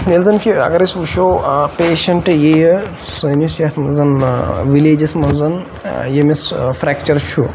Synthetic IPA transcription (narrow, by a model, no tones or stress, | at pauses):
nelzɐnkʰiɐ̰ɡɐɾisuʃʰoːpeːʃɐɳʈjej | sɐːnusjaːsmɐnzɐnʋileːd͡ʒɐsmɐnzɐn | jemesfɾɛːkt͡ʃɐɾt͡ʃʰu